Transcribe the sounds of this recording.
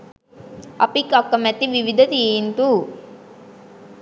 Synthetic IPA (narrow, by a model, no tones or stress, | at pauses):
ɐ̰pikːɐkːɐmɛt̪ːiʋiʋid̪ʱɐt̪iːnt̪u